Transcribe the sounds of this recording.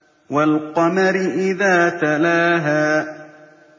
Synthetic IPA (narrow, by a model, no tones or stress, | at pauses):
walqɑmaɾɪʔɪðaːt̪alaːɦaː